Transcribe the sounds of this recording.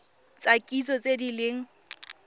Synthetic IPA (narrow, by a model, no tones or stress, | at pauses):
t͡sʼakʼit͡sʼɔt͡sʼedilɪŋ̩